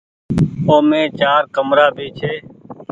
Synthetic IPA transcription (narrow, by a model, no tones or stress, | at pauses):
oːmẽːt͡ʃaːɾkəmɾaːbʱiːt͡ʃʰeː